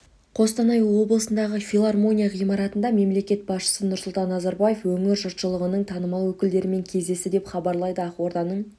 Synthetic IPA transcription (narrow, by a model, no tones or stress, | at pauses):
qʰo̞st̪ɑnɑjwo̞blˠəsənd̪ɑʁəfʲilˠarmo̞nʲijaʁijmɑɾɑt̪ənd̪ɑme̞mle̞kʲe̞t̪̚bɑsʃə̥sənʊɾsʊlˠt̪ɑnːɑzɑɾbɑjefwɵŋɪɾʒʊɾt̪ʃəlˠəʁənəɴt̪ʰɑnəmɑlˠwɵkʲɪld̪e̞ɾɪme̞ŋkʲʰe̞zd̪e̞sɪd̪e̞pχɑbɑɾlˠɑjd̪əɑqwo̞ɾd̪ɑnəɴ